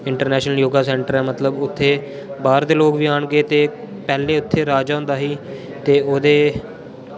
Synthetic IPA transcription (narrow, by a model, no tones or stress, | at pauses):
ɪɳʈəɾnɛːʃnəljoːɡaːsɛːɳʈəɾɛːmət̪ləbʊt̪ʰːeː | baːɾd̪eːloːkʋiːaːɳɡeːt̪eː | pɛːleːʊt̪ʰːeːɾaːd͡ʒaːʊ̃nd̪aːɦiː | t̪eːoːd̪eː